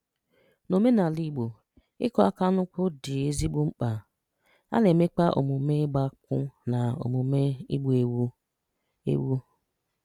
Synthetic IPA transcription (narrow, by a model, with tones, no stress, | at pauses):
no˨me˦na˨li˨ɡ͡bo˨ | ɪ̰˦kɔ˦a̰˦ka˦nʊ˦kʷʊ˦dɪ˨e˦zi˦bu˦ŋ͡m̩˦k͡pa˨ | a̰˦le˨me˦k͡pa˦ʔo̰˨mu˨me˦ɡ͡ba˦kʊ˦na˨o̰˨mu˨me˦ḭ˦ɡ͡bu˨e˦wu˦ | ḛ˦wu˦